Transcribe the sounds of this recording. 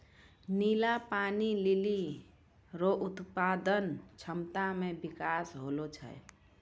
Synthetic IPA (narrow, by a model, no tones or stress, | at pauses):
nilapanilili | ɾoʔut̪pad̪ənt͡ʃʰəmt̪amebikasɦolot͡ʃʰə̰j